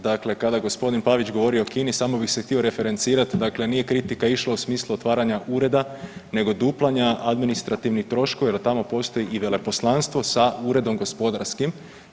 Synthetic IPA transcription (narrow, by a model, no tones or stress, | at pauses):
d̪akle̞kad̪aɡo̞spo̞d̪inpaʋit͡ʃɡo̞ʋo̞ɾio̞okiːnisaːmo̞bixsext̪io̞ɾe̞fe̞ɾe̞nt̪siːɾat̪d̪akle̞nije̞kɾit̪ikaiʃlˠausmiːslˠuot̪ʋaːɾaɲaʔuːɾe̞d̪ane̞ɡo̞d̪uplˠaɲaad̪minist̪ɾat̪iʋnixt̪ɾo̞ʃkojelt̪amo̞po̞st̪o̞jiʔiʋe̞le̞po̞slˠanst̪ʋo̞sauːɾe̞d̪o̞mɡo̞spo̞d̪aɾskim